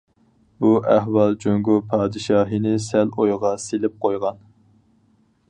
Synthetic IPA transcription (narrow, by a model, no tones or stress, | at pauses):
buæɦwɑlˠd͡ʒøŋɡupʰɑːd̪ɨʃɑːɦinɪsælojʁɑselɪp̚qʰojʁɑn